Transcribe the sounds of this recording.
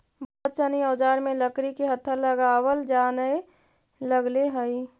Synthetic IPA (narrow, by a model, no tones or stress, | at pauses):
bɔːt̪̚t͡ʃəniəːd͡ʒaːɾmẽləkɾikeɦət̪ʰːələɡaːwəld͡ʒaːnəe | ləɡleɦəi